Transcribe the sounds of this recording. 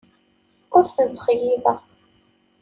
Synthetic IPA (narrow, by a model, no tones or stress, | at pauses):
ʊɾθənt͡sːχjivæ